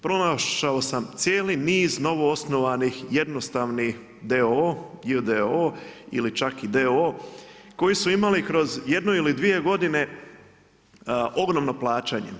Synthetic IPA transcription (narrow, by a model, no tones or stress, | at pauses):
pɾo̞naʃao̞samt̪sʲjeːliniːzno̞ʋo̞o̞sno̞ʋanixje̞d̪no̞st̪aʋni | d̪eojid̪eoḭlit͡ʃakid̪eoko̞jisuimalikɾo̞zje̞d̪noilid̪ʋije̞ɡo̞d̪ine̞ | ʔo̞ɡɾomno̞plˠaːt͡ɕaɲḛ